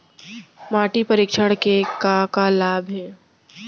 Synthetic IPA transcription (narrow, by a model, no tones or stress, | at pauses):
maːʈipɐɾɪːkʃəɽkekakalaːbʱɦɛː